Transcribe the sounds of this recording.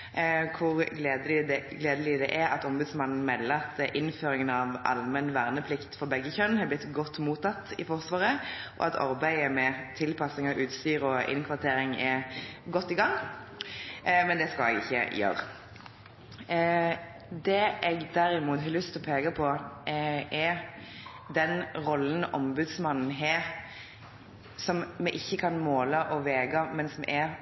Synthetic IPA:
kʰʊʁɡleːd̪əlɪd̪ɛɡleːd̪əlɪd̪ɛʔɛɾɑt̪ɔmbʉd̪smɑnn̩mɛllːɑt̪əʔɪnføːɾɪŋənɑʋʔɑ̰lmɛnʋæːʁnəpʰlɪkt̪fɔʁbɛɡːəçœnhɑblɪt̪ːɡɔt̪ːmuːt̪ːɑt̪ːɪ̰fɔʁsʋɑːʁəʔɔ̰ɑ̰t̪ʰɑ̰ɾbæɪəmɛt̪ʰɪlpʰɑsɪŋɑʋʔʉːt̪st̪yːɾɔʔɪ̰nkʰʋɑʁt̪ʰeːɾɪŋɛɡɔt̪ːɪɡɑŋː | mɛnd̪ɛskɑlɛ̰ɡɪçːə̰jø̰ːɾ | d̪ɛʔɛɡd̪æɾɪmuːt̪hɑlʉst̪ʰɪlɔpʰeːɡɑpʰɔ | ʔɛ | d̪ɛnʁɔln̩ʔɔmbʉd̪smɑnn̩ɦeː | sɔmmɛʔɪçːəkʰɑnmoːləʔɔʋeːɡɑmɛnsmɛ̰ʔɛ

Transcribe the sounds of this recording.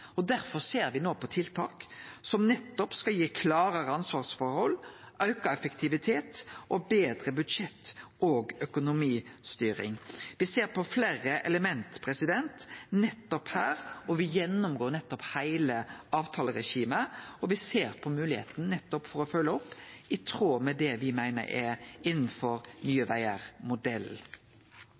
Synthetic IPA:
ɔd̪æɾfɔɾseːɾʋɪnoːpʰɔt̪ʰɪlt̪ʰɑ̰ːksɔmnɛt̪ːɔpskɑljiːkʰlɑːɾəɾəɑnsʋɑːʁsfɔɾhɔlːʔœʉkɑɛfəkt̪ʰɪʋɪt̪ʰeːt̪ʔɔbeːd̪ɾəbʉd̪ʂɛt̪ː | oːɡœkʊnʊmiːst̪yːɾɪ̰ŋʋɪseːɾpɔfleːɾəʔɛləmɛnt̪pʰɾɛsɪd̪ɛnt̪nɛt̪ːɔphæːɾɔʋɪjɛnːʊmɡoːɾnɛt̪ːɔphæɪləɑːʋt̪ʰɑːləɾɛʃiːməɔʋɪseːɾpʰɔmʉːlɪhḛːt̪n̩nɛt̪ːɔpfɔɾɔfœlːəɔpːɪt̪ʰɾoːmɛd̪ɛʋɪmæɪnə̰ɾɛɪnːn̩fɔɾnyːəʋæɪəɾmʊd̪ɛl

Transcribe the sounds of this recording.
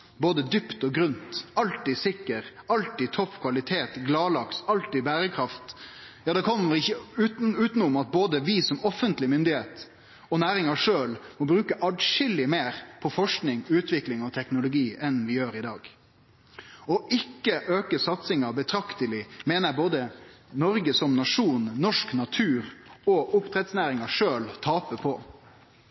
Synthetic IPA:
boːd̪əd̪ʏpt̪ɔɡɾʉnt̪ɑlt̪isɪkːəɾɑlt̪ɪt̪ʰɔfkʰʋɑlɪt̪ʰeːt̪ɡlɑːlɑksɑlt̪ɪbæːɾəkʰɾɑft̪jɑːd̪ɛkʰɔmːəɾɪçəʉʉːt̪nʊmɑt̪̚boːd̪əʋɪsɔmɔfːənt̪lɪmʏnd̪ɪheːt̪ | ɔnæːɾɪŋɑʂøːlmɔbɾʉːkəʔɑɖʂɪlːɪmeːɾpʰɔfɔʂknɪŋʉːt̪ʰʋɪklɪŋɔt̪ʰɛknʊlʊɡiːɛnʋɪjøːɾɪd̪ɑ̰ːɡ | ɔʔɪkːəʔøːkəsɑt̪sɪŋɑbət̪ʰɾɑkt̪əlɪmeːnəɾboːd̪ə | nɔɾɡəsɔmnɑʂuːnnɔʂknɑt̪ʰʉːɾɔʔʊpt̪ʰɾɛt̪snæːɾɪŋɑʂøːlt̪ʰɑːpəpʰɔ

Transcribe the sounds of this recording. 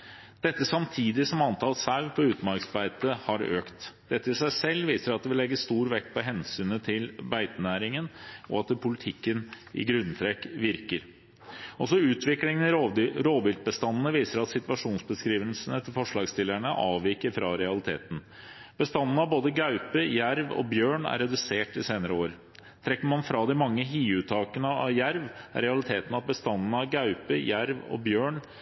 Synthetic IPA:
d̪̥ɛt̪ːəsɑmt̪ʰiːd̪ɪsɔmɑnt̪ʰɑːlsɑʉpʰɔʉːt̪mɑɾksbæɪt̪əhɑɾø̰ːkt̪d̪̥ɛt̪ːəɪsæɪsɛlːʋiːsəɾɑt̪̚d̪ɛʋɪlɛɡːəst̪uːɾʋɛkt̪̚pʰɔɦɛnsyːnət̪ʰɪlbæɪt̪ənæːɾɪŋənɔ̰ɑt̪̚d̪ɛpʰʊlɪt̪ʰɪkːən | ʔɪ̰ɡɾʉnt̪ʰɾɛkːʋɪɾkəɾ | ɔsɔʉːt̪ʰʋɪklɪŋənɾoːbɪlt̪̚bəst̪ɑnːən̩əʋiːsəɾɑt̪sɪt̪ʋɑʂuːnsbəskɾiːʋənsənət̪ʰɪlfɔʂɭɑːɡst̪ɪlːæɳəʔɑːʋʋɪkəɾfɾɑɾɛɑlɪt̪ʰḛːt̪n̩ | b̥əst̪ɑnːnəɑʋboːd̪əɡɑʉpəjæɾʋɔ̰bjøːɳæ̰ɾːɛd̪ʉseːʈɪseːnəɾəoːɾə | t̪ʰɾɛkːəɾmɑnfɾɑd̪ɪmɑŋːəɦiːʉːt̪ʰɑːkənəɑʋjæɾʋæ̰ɾɛɑlɪt̪ʰeːt̪n̩ɑt̪̚bəst̪ɑnːənəɑʋɡɑʉpəjæɾʋɔ̰bjøːɳ

